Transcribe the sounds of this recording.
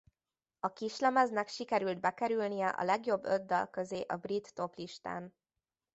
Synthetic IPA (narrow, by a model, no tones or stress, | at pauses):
ɒkiʃlɛmɛznɛkʃikɛɾyld̪̚bɛkɛɾylnijɛʔɒ̰lɛɡjo̞bːød̪ːɒlkøzeːʔɒbrit̪ːo̞pliʃt̪a̰ːn